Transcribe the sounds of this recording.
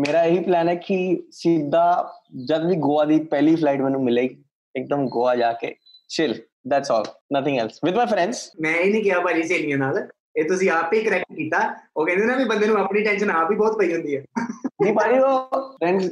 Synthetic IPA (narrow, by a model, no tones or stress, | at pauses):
meːɾaːɦiːplɛːnɛːkɪsɪd̪ːaːd͡ʒəd̪ʋiːɡoːaːd̪iːpɛːliːpʰlaːɪʈmɛ̃ːnũːmɪleːɡiː | ɪk̚d̪əmɡoːaːd͡ʒaːkḛː | ʃɪl | d̪æːʈsɔ̰ːlnət̪ʰɪ̃ŋɛ̰ːlsʋɪd̪maːifɾɛ̃ɳɖsmɛ̃ːiːnə̃ĩkeaːpaːliːs̬eːniːãːnaːl | eːt̪ʊsĩːaːpeːkɾɛkəɖkiːt̪aːoːkɛ̃ːnd̪eːnaːbibə̃nd̪eːnũːapniːʈɛ̃ːnʃənaːpiːbɔːt̪̚pəiːɦʊ̃nd̪iːɛːd͡ʒiːpaːɾioːpʰɾɛ̃ɳɖz